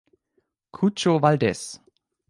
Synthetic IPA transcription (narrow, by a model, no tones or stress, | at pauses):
kʰut͡ʃovaldɛs